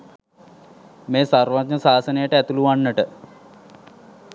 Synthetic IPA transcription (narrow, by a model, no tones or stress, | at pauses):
meːsarʋat̪ɲəsaːsənejəʈəæt̪uluʋanːəʈə